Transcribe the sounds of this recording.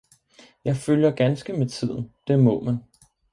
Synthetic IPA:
jɑ̈ɪføljɐɡ̥ænsɡ̥əmet͡sʰið̞̰ˠn̩d̥e̝mɔ̽mæn

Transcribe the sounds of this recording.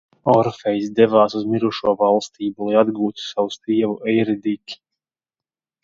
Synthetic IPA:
ɔɾfɛjs̬d̪ɛvaːsuzmiɾuʃuɔvalˠst̪iːbulˠajad̪ɡuːt̪u̥sawust̪iɛvuʔɛjɾɛd̪ikʲi̥

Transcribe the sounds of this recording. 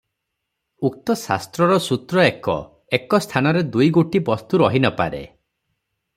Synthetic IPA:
uk̚t̪ɔsa̰st̪ɾɔɾɔsut̪ɾɔekɔ̰ | ekɔst̪ʰanɔɾed̪ujɡoʈibɔst̪uɾɔɦinɔpa̰ɾḛ

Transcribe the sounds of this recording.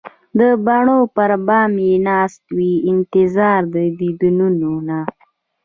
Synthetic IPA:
d̪əbaɳopəɾbɑːmenɑst̪wiɪnt̪ɪzɑːɾd̪əbid̪ununona

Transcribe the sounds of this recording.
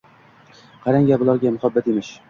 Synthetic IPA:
qʰɑɾaŋɡʲabʊlˠɒɾɡʲamʊhabːat̪emɪʃ

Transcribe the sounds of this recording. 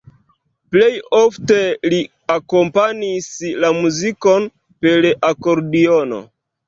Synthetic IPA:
ple̞jo̞fte̞li | ako̞mpanislamuziko̞n | pe̞lako̞ɾdiono̰

